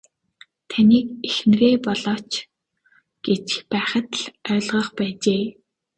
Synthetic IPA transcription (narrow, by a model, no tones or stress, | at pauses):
t̪ʰaniːkexnreːpɔɮɔːt͡ɕ | ɡ̥et͡ɕxpæːχə̆t̪ɮœːɮʁɞ̆χpæːt͡ɕeː